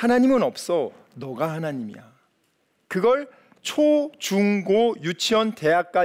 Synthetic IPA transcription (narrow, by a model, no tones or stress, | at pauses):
anaɲimɯnʌp̚s͈ʌ | nʌɡahanaɲimḭja̰ | kɯɡʌɭ | t͡ɕʰot͡ɕuŋɡojut͡ɕʰiʌnte̞jak̚k͈a